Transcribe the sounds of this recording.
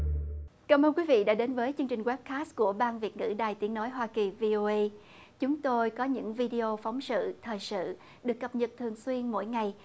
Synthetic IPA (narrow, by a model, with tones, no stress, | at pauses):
kaː˧˩mʔəː˧nkwi˨˦vḭ˧˨ɗa̰ː˧˥ɗe˨˦nvəː˨˦jt͡ɕɨ˧əŋt͡ɕï˨˩ŋ̟wɛ˦˥p̚kaː˦˥s̚ku˧˩əɓaː˧nvi˨˩ət̚ŋɨ̰˧˥˩ɗaː˨˩jt̪i˨˦əŋno˨˦jɦwaː˧ki˨˩vi˧ʔo˧ʔə˧j | t͡ɕʊ˨˦ŋ͡mt̪o˧jkɔ˨˦ɲɨ̰˧˥ŋvi˧ɗi˧ʔo˧fa˨˦wŋ͡msɨ̰˧˨t̪ʰəː˨˩jsɨ̰˧˨ | ɗɨ˨˩əkːə˨˩p̚ɲə˨˩t̚t̪ʰɨ˨˩əŋswi˧ənmo̰˧˥jŋa˨˩j